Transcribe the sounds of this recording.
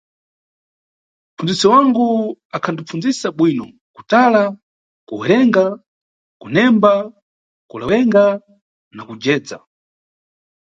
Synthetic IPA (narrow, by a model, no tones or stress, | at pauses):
fund͡zisiwaŋɡuakʰandip͡fund͡zisaɓwinɔ | ku̥tala | kuwɛɾɛŋɡa | kunɛmba | kulawɛŋɡa | nakud͡ʒɛːd͡za̰